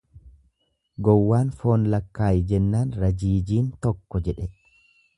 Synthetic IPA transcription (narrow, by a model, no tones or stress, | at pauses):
ɡɔwːaːnfo̞ːnlɐkːaːjɪd͡ʒɛnːaːnɾɐd͡ʒiːd͡ʒiːnt̪ɔkːɔd͡ʒɛᶑɛ